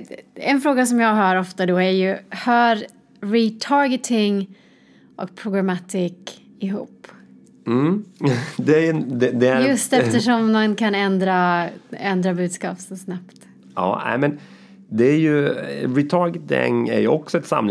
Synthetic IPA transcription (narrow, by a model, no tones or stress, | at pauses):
ɛ̰nfɾoːɡasɔmjɑːɡɦœːɾɔft̪ad̪ɔæɾjɵhœːɾ | ɾɪt̪ʰɑːɾɡɛt̪ʰɪŋ | ʔɔ̰k̚pʰɾʊɡɾamat̪ʰiːk | ɪɦṵːpː | m̩ | d̪ɛæjnd̪ɛd̪ɛjɵst̪ɛft̪əʂɔmnankʰanɛnd̪ɾaɛnd̪ɾabʉ̟ːd̪skɑːpsɔsnapt̪ | ɑ̰ːæ̰ɪmɛn | d̪ɛæɾjɵɾɪt̪ʰɑːɾɡɛt̪ɪ̰ŋæ̰ɾjɵɔksɔɛt̪sa̰mlɪ